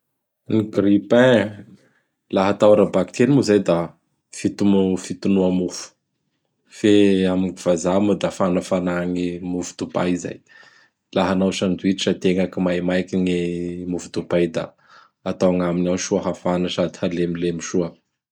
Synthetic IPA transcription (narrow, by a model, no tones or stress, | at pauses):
niɡripɛ̃ | laɦat̪awɾabakt̪ʰenimuzajd̪a | fit̪umufit̪unuamufu̥ | feamiiv̥azamad̪afanafanaŋimufu̥d̪̥uba̰iza̰j | laɦanawsand̪uiʈ͡ʂiʈ͡ʂət̪eŋakimajmajkiŋemufud̪ubajd̪a̰ | at̪awaŋaminawʃuaɦafanasad̪i̥halemilemiʃuə